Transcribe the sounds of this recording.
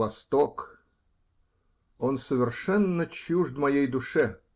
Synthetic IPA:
ɐst̪ok | onsəvʲɪrʂɛnːət͡ɕuʐd̪mɐjejd̪uʂɛ

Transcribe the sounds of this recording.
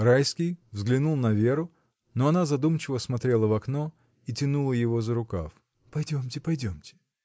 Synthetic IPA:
ɾajskʲɪjvzɡlʲɪnulˠnɐvʲe̞ɾʊ | noɐnazɐd̪umt͡ɕɪvəsmɐt̪ɾʲe̞lˠəvɐkno | itʲɪnulˠəjɪvozəɾʊka̰f | pɐjdʲomtʲɪpɐjdʲomtʲɪ̥

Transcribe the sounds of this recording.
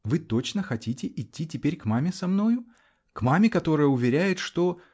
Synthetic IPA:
vɨt̪o̞t͡ɕnəxɐtʲitʲɪʔɪtʲːitʲɪpʲeɾʲkmamʲɪsɐmno̞jʊ | kmamʲɪkɐt̪o̞ɾəjəʊvʲɪɾʲæjɪt̪ʂt̪o̞

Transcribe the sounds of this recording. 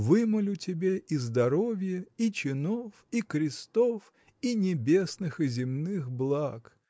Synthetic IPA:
vɨməlʲʊtʲɪbʲeʔizd̪ɐɾo̞vʲjəit͡ɕɪnofikɾʲɪst̪of | inʲɪbʲe̞snɨxɨzʲɪmnɨxblˠak

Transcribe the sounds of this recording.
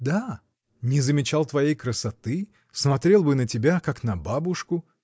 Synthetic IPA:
d̪a | nʲɪzəmʲɪt͡ɕalˠt̪vɐjejkɾəsɐt̪ɨ | smɐt̪ɾʲe̞lˠbɨnətʲɪbʲakaknɐbabʊʂkʊ

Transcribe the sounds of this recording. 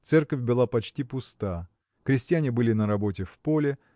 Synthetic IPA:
t̪sɛrkəfʲbɨlˠapɐt͡ɕtʲipʊst̪a | kɾʲɪsʲtʲɪjanʲɪbɨlʲɪnəɾɐbo̞tʲɪfpolʲɪ

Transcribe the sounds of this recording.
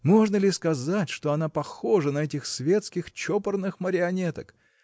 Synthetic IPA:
mo̞ʐnəlʲɪskɐzatʲʂt̪o̞ɐnapɐxoʐənɐɛtʲɪxsvʲe̞t̪skʲɪxt͡ɕopərnɨxməɾʲɪɐnʲet̪ək

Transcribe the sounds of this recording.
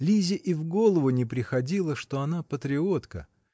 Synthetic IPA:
lʲizʲɪʔivɡo̞lˠəvʊnʲɪpɾʲɪxɐdʲilˠəʂt̪o̞ɐnapət̪ɾʲɪo̞t̪kə̰

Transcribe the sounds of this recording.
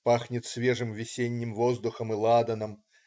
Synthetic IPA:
paxnʲɪt̪sʲvʲɛʐɨmvʲɪsʲenʲːimvɔzd̪uxɐmɨlˠad̪ɐnɐm

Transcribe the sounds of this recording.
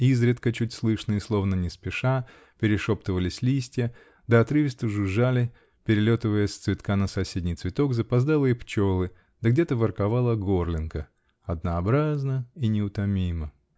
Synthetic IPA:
izɾʲɪt̪kət͡ɕutʲslˠɨʂnəɪslˠo̞vnənʲɪspʲɪʂa | pʲɪɾʲɪʂopt̪ɨvəlʲɪsʲlʲisʲtʲɪjə | d̪əɐt̪ɾɨvʲɪst̪ɨʐɨʐalʲɪ | pʲɪɾʲɪlʲo̞t̪ɨvəjəst̪svʲɪt̪kanəsɐsʲedʲnʲijt̪svʲɪt̪o̞kzəpazd̪alˠɨɪpt͡ɕo̞lˠɨ | d̪əɡdʲet̪əvərkavalˠəɡorlʲɪnkə | ɐd̪nəːbɾaznəinʲɪʊt̪ɐmʲimə

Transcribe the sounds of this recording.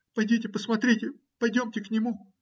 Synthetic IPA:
pɐjdʲitʲɪpəsmɐt̪ɾʲitʲɪ | pɐjdʲomtʲɪknʲɪmu

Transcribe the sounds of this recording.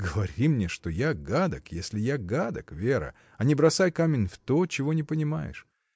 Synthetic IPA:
ɡəvɐɾʲimnʲeʂt̪ojaɡad̪əkjesʲlʲɪjaɡad̪əkvʲeɾə̰ | ɐnʲɪbɾɐsajkamʲɪnʲft̪ot͡ɕɪvo̞nʲɪpənʲɪma̰jɪ̰ʂ

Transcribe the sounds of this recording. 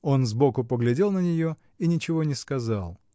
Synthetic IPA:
o̞nzbo̞kʊpəɡlʲɪdʲe̞lˠnənʲɪjo | inʲɪt͡ɕɪvonʲɪskɐzɑlˠ

